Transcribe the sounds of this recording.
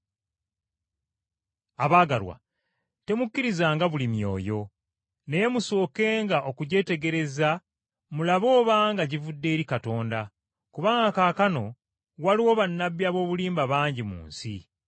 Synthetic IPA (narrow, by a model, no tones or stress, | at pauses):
aβaːɡalwa̰ | te̞mukːiɾizaːŋɡaβulimjo̞̰ːjo̞ | ne̞je̞muso̞ːke̞ːŋɡaʔo̞kuɟe̞ːte̞ɡe̞ɾe̞za | mulaβo̞ːβaːŋɡaɟivudːe̞ːɾikato̞ːnda | kuβaːŋɡakaːkano̞ | waliwo̞βanːaβːjaːβo̞ːβuliːmbaβaːɲɟimṵːnsḭ